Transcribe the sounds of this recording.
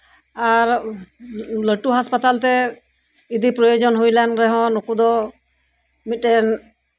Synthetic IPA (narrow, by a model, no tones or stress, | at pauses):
aɾ | ləʈuɦaspat̪alt̪ɛ | id̪ipɾɔjɔd͡ʒɔnɦujlanɾɛɦɔ̃nukud̪ɔ | mit̪̚ːɛn